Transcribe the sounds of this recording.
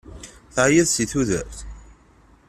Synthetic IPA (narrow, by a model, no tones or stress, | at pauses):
θaʕjəðsiθuðæɾθ